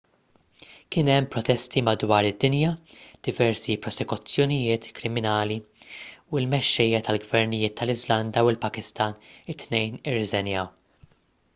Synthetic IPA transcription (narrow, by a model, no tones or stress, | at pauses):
kɪnɛmːpɾɔt̪ɛst̪imɐd̪wɐːɾɪd̪ːɪnjɐd̪̥ɪvɛɾsipɾɔsɛkʊt͡sːjɔnɪjɪːt̪kɾɪmɪnɐːli | uɪlmɛʃːɛjːɐt̪ɐlɡvɛɾnɪjɪːt̪ʰːɐlɪzlɐnd̪ɐwɪlpɐkɪst̪ɐːnɪt̪ːnɛjnɪrːɪzɛnjɐw